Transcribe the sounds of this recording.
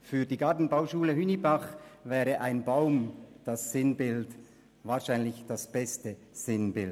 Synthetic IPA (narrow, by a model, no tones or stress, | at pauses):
fyːɐdiːɡaɐtn̩baʊʃuːləɦynibaχvɛːʁəʔaɪnbaʊmd̥asːɪnbɪlt | vaːʃaɪnlɪçd̥asb̥ɛstə | z̥ɪnbɪl